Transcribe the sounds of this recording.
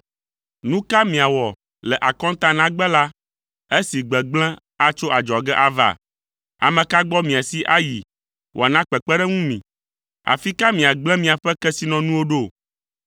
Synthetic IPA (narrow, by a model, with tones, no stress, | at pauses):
nũ˦ka˦mĩ˨a˨wɔ˨ | lɛ˨ʔa˨kɔ̃˦n˦t̪ã˦nã˦ɡ͡bɛ˦la˦ | e˦si˨ɡ͡bɛ˨ɡ͡blɛ̃˦ | a˦t͡ʃo˦ʔa˨d͡ʒɔ˨ɡɛ˦ʔa˨va̰˦˨ | a̰˨mɛ̃˨ka˦ɡ͡bɔ˦mĩ˨a˨si˦ʔa˦ji˨ | wʔo̰˨a˨nã˦k͡pɛ˨k͡pɛ˦ɖɛ˦ŋũ˦mḭ̃˨ | a̰˨fi˦ka˦mĩ˨a˨ɡ͡blɛ̃˦mĩ˨a˨ɸɛ˦kɛ˦si˦nɔ̃˨nũ˦wo˦ɖo˦˨